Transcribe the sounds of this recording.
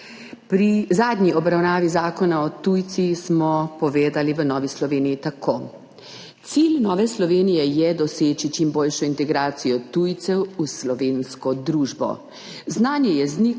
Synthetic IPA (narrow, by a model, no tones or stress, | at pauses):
pɾizaːd̪ɲiɔbɾawnaːʋizaːkɔnaɔt̪ujt̪sismɔpɔʋeːd̪aliʋənɔːʋislɔʋeːnijit̪akʰoː | t̪silnɔːʋɛslɔʋeːnijɛjɛd̪ɔseːt͡ʃit͡ʃimboːlʃɔint̪ɛɡɾaːt̪sijɔt̪ujt̪sɛwuslɔʋeːnskɔd̪ɾuːʒbɔ̰ | znaːnjɛjɛzni